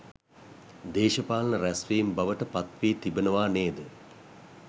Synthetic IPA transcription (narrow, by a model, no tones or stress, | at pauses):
d̪eːʃəpaːlnəɾæsʋiːmbaʋəʈəpat̪ʋiːt̪ibənəʋaːneːd̪ə